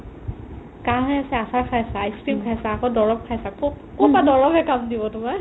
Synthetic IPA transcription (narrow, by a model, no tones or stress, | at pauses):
kaɦɛjasɛasaɹkʰajsaːjskipkʰajsakɔdɔɹɔp̚kʰajsaku | kubadɔɹɔbʱɛkamdibɔtʊma